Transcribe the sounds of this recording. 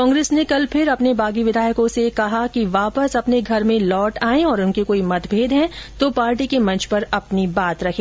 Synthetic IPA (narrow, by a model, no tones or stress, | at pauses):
kɔ̃ːŋɡɾeːsnekɐlpʰɪɾɐpnebaːɡiʋɪd̪ʱaːjəkõsekɐɦakiʋaːpəsɐpneɡʱɐɾmẽlɔːʈaːẽɔːɾʊnkekoːimɐt̪bʱeːd̪ɦɛ̃t̪opaːɾʈikemɐ̃nt͡ʃpɐɾɐpnibaːt̪ɾɐkʰẽː